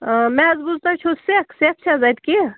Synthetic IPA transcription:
mɛ̃zbuzt̪at͡ʃʰosekʰsek̚t͡ʃʰazajt̪ki

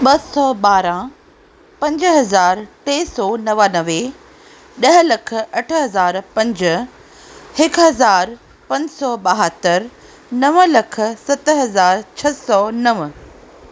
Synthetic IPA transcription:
ɓɐsɔɓaːɾã | pɐ̃ɲd͡ʑɦɐzaːɾt̪eːsɔːnɐʋaːnɐʋe | ɗɐɦɪlɐkʰə̆ɐʈʰɦɐzaːɾpɐ̃ɲd͡ʑə̆ | hɪkɦɐzaːɾ | pɐ̃ɲd͡ʑsɔːɓaɦət̪əɾ | nɐʋəlɐk̆ʰsɐt̪ɦɐzaːɾt͡ɕʰɐsɔnɐʋ

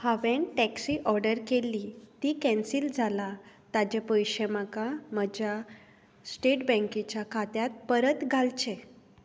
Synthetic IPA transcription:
haʋeɳʈɛksiːʔɔɾɖəɾkelːit̪ikɛ̃nsiːld͡zʱala | t̪ad͡ʑepəjɕəmakaməd͡ʑja | sʈeʈbə̃ŋkit͡ɕjakʰat̪jat̪̚pəɾət̪ɡʱalt͡ɕe

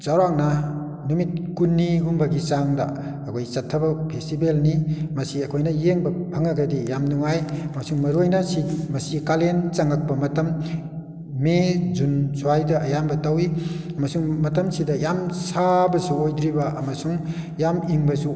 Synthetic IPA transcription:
zawɾaŋnɐ | numit̚kunːiɡumbɐɡit͡ʃaŋdɐ̰ː | kʰojsɐtʰːɐbɐpʰestibelnimɐsiɐkʰojnɐjeŋbɐpʰɐŋaɡɐdijamnuŋajɐmɐsuŋmɐɾojnasimɐsikalent͡ʃaŋɐk̚pɐmɐtɐm | mezunsʰuajdɐʔɐjambɐtawiɐmɐsuŋmɐtɐmsidɐjamsabɐsuojdɾibɐʔɐmɐsuŋjamiŋbɐsu

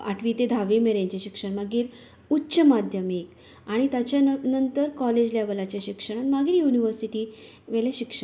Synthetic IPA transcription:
a̰ʈʰʋit̪ed̪ʱaʋemeɾeɲt͡ɕeɕikʂəɳmaɡiːɾ | utːɕəmad̪ʱjəmek | aɽ̃it̪jat͡ɕjanənt̪əɾkɔled͡ʑljaʋəlat͡ɕaɕikʂəɽ̃amaɡiːɾjuniʋəɾsiʈiː | ʋeleɕikʂə

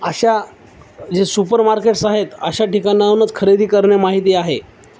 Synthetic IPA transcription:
əɕa | d͡ʑesupəɾmaɾkeʈsaɦet̪əɕaʈikanjaunət͡skʰəɾed̪ʱiːkəɾɳjamaɦit̪iːaɦe

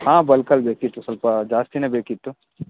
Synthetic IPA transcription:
ɦãːbɐlkɐlbeːkit̪usɐlpad͡ʒaːst̪inebeːkit̪ːu

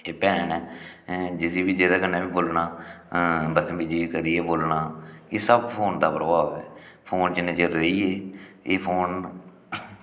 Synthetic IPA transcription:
eːpɛːnɛː | d͡ʒɪsiːbiːd͡ʒeːd̪aːkənːaːbiːboːlnaː | bəsmiːd͡ʒiːkəɾiːɛːboːlnaːeːsəbpʰoːnd̪aːpɾəbaːʋɛː | pʰoːnt͡ʃɪnẽːt͡ʃəɾeiːeːeːpʰoːn

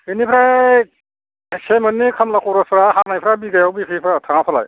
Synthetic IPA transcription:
inipʰɾa | semɯnːikʰamlakʰɔɾɔsɾaɦanajpʰɾabiɡajawbipʰijpʰɾatʰaŋapʰala̰j

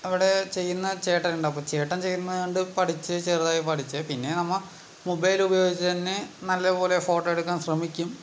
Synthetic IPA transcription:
ɐʋiɽe̞t͡ɕe̞jːunːɐt͡ɕeːʈːɐuɳɖɐp̬ːoːt͡ɕeːʈːɐmt͡ɕe̞jːunːɐðɳɖɨpɐʈʰit͡ɕːɨt͡ɕeːrðaːjipɐʈʰit͡ɕːɐpinːe̞nɐmːɐ | mobɐjlubɐjoːɡit͡ɕːɨt̪ɐnːe̞nɐlːɐpo̞ːle̞fo̞ːʈːoeɽukːaːnɕrɐmikʲːum

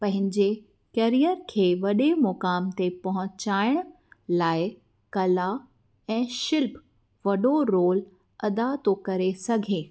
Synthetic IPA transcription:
pɐ̃ɦɪ̃ɲd͡ʑe | keɾijəɾkʰeːʋɐɗemʊkaːmt̪epɐɦʊ̃t͡ɕaːɪɽ̃ | laːɪ | kɐla | ɛ̃ːʃɪlp | ʋɐɗoɾoːl | ɐd̪at̪okɐɾesɐɡʱeː

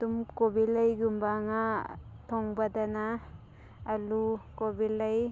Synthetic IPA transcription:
d̥umkobilajɡumbaŋatʰɔŋbadanaː | lukobilaj

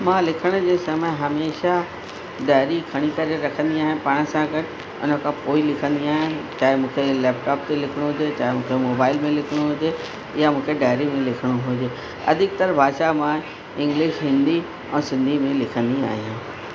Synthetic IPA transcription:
mãlɪkʰəɽ̃ʊ̆d͡ʑẽːsɐmɦɐmeːʃa | ɖaːɪɾikʰɐɽ̃ikɐɾeɾɐkʰə̃nd̪iaːɦɪ̃paːɽ̃əsãɡɐʈ | ʊ̰n̤əkʰãpoːilɪkʰə̃nd̪iaːɦijãt͡ɕaːɦɪmũːkʰelɛːp̚ʈaːp̚t̪elɪkʰɪɽ̃uɦʊd͡ʑet͡ɕaːɦemũːkʰemoːbaːɪlmẽlɪkʰɪɽ̃uɦʊd͡ʑe | ɪjamũːkʰeɖaːɪɾimẽlɪkʰəɽ̃uɦʊd͡ʑeː | ɐ̰d̪ʱɪk̚t̪ɐɾbʱaːʃamã | ɪ̃ŋɡlɪʃɦɪ̃nd̪i | ɛ̃ːsɪ̃nd̪ʱimẽlɪkʰə̃nd̪ia̰ːɦijãː

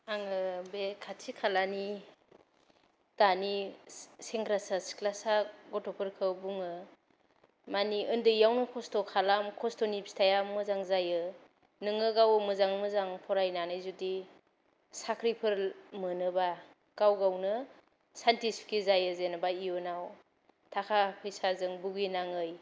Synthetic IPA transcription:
aŋɯbekʰatʰikʰalani | taniseŋkʰɾasasklasaɡɔtɔpʰɯɾkʰɯbuŋɯ | maniɯndɯjawnɯkʰɔstɔkʰalamkʰɔstɔnipstʰajamɯzaŋzajɯ | nɯŋɯɡawɯmɯzaŋmɯzaŋpʰɔɾajnanɯjzudi | sakʰɾipʰɯɾmɯnɯba | ɡ̥awɡawnɯ | santiskʰizajɯzenabaionaw | tʰakʰapʰɯjsazɯŋbuɡinaŋɯj

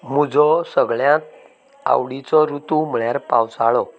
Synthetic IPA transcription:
m̤ud͡zɔsəɡɭjãt̪ | a̰wɽit͡sɔɾut̪ũm̤əɭjaɾpawt͡saɭɔ

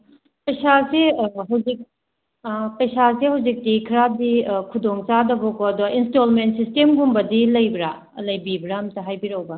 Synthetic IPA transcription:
pɐjsaseɦɐwzik̚ | pɐjsasehɐwzik̚dikʰiɾadikʰudoŋt͡ʃadɐbokoɐdoinstolmentsistemɡumbɐdilɐjbɾa | lɐjbibɾamtɐɦajbiɾɐwbɐ

